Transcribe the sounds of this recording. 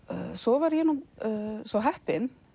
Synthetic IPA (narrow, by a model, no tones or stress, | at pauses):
sɔvaɾjɛːnːʏmsɔɦɛhpɪn